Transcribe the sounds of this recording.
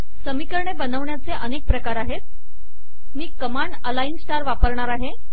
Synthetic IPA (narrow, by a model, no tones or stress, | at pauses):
səmikəɾɳebənəʋɳjat͡seʔənek̚pɾəkaɾaɦet̪̚ | miːkəmaɳəlainsʈaɾʋapəɾɳaɾaɦe